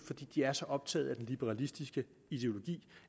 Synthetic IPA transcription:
fɒ̽d̥ḭːd̥iæɐsɒ̽ʔɒ̽b̥̚t͡sʰɛ̰ːð̩ˠæd̥enlib̥eʁɑ̈lisd̥isɡ̥ə | id̥e̝o̝lo̝ɡ̥ḭː

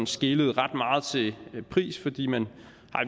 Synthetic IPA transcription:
nsɡ̥e̝ləð̞̩ˠʁɑ̈d̥mɑ̈ːð̞̩ˠt͡sʰe̝pʰʁḭːsfɒ̽d̥ḭːmæn | hɑ̈

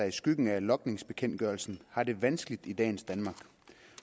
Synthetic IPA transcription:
ɑ̈ɪisɡ̥yɡ̥n̩ælɒ̽ɡ̥ne̝ŋsb̥e̝kʰen̰d̥ɡ̥ɶɐlsn̩hɑ̈de̝ʋænsɡ̥əlid̥id̥ɛ̰ːn̩sd̥ænmɑ̈ɡ̥

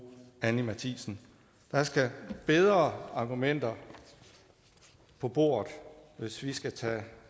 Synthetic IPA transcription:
ænimæt͡sʰisn̩ | d̥ɑ̈sɡ̥æb̥eð̞ˠʁɐɑ̈ːɡ̥umen̰d̥ɐ | pʰɒ̽b̥o̝ːɐ̰ðˠʋe̝sʋisɡ̥æt͡sʰɛ̰ː

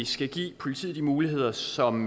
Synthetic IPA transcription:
isɡ̥æɡ̥ḭːpʰo̝lit͡sʰḭːð̩̥ˠimuːliɦe̝ð̞̰ˠɐsɒ̽m

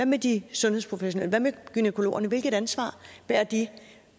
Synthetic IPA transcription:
ʋæmed̥isɔ̽nheðˠspʰʁofeɕo̝neləʋæmeɡ̥ynekʰo̝lo̝̰ːɐnəʋe̝lɡ̥ð̥ˠænsʋɑ̰̈ːb̥æɐ̰d̥i

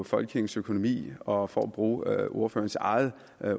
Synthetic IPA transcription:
fɒ̽lɡ̥eŋn̩søkʰonomḭːɒ̽fɒ̰ːɒb̥ʁuːʔo̝ɐfø̰ːɐnsɑ̈ɪð̩ˠ

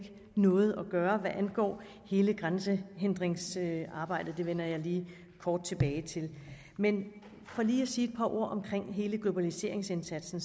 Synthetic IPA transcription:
ɡ̥ə | nɔ̽ːð̩ˠɒɡ̥ɶːɐʋæʔænɡ̥ɒ̰ː | he̝ːləɡ̥ʁansəɦend̥ʁeŋsɑ̈ːb̥ɑ̈ɪ̰d̥ð̩ˠd̥e̝ʋen̰ɐjɑ̈ɪliː | kʰɒːd̥̚t͡sʰe̝b̥ɛːɪt͡sʰe̝l | men | fɒliːɒsiːe̝d̥̚pʰɑ̈ʔo̝ɐ̰ʔɒ̽mkʰʁeŋ̰ɦe̝ːləɡ̥lo̝b̥ælise̝ɐ̰e̝ŋsensæd̥sn̩

